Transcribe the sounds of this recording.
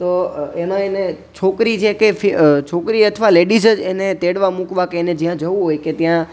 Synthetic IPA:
t̪oemãene | t͡ʃʰokɾit͡ʃʰekefit͡ʃʰokɾiət̪ʰʋaleɖisəd͡ʒenet̪eɽʋãmukʋakeːned͡ʒijãd͡ʒəʋũɦojket̪jã

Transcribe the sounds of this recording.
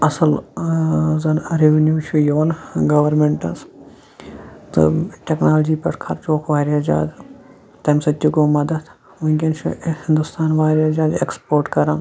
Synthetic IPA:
ɐsɐl | zɐnɾeʋɐnjuːt͡ʃʰujoːnɡɐʋɐɾmeɳʈɐs | t̪ɨ̰ʈʲeknaːlod͡ʒiːpɐ̰skʰɐ̰ɾt͡ʃoːkʰʋaːɾɐd͡ʒa̰ːd̪ | t̪ɐmsɐt̪ːukomɐd̪ɐd̪ | uɡʲɐnt͡ʃʰuhɪ̃nd̪ust̪aːnʋaːɾɐd͡ʒaːd̪ekspoːɾʈkɐɾaːn

